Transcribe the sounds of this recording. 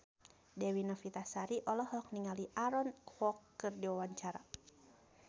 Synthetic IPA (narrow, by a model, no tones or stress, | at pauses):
dɛwinafit̪asaɾiʔɔlɔhɔk̚niŋaliʔaɾɔnkwɔkːɨrdiwawaɲt͡ʃaɾa